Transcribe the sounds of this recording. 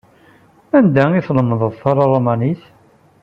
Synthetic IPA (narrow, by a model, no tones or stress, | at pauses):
ænd̪æiθləməðˤəðˤθɑɾˤɑrˤomæniθ